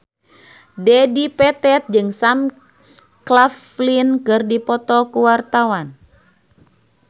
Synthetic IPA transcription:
dɛdipɛt̪ɛt̪̚d͡ʒɨŋsam | klaf | linkɨrdipɔt̪ɔkuwart̪awan

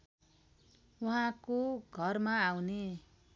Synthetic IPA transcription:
wuɦãkoɡʱʌrmaawne

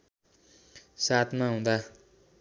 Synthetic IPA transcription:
sat̪maɦũd̪a

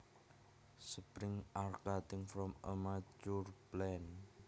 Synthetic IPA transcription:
səpɾɪŋarkat̪ɪ̃ŋfɾɔmʔəmat͡ʃuɹplɛn

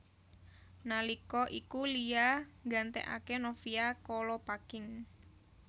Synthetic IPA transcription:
nalikɔʔikulijaŋɡa̤nt̪ɛ̰ʔa̰kenofiakɔlɔpakɪŋ

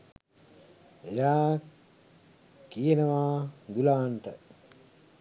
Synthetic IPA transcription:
ejaː | kijenəʋaːɡ̪ulaːnʈə

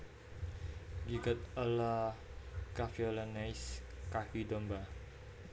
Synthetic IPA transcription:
ɡiɡat̪əla | kafiɔlanajskahidɔmba

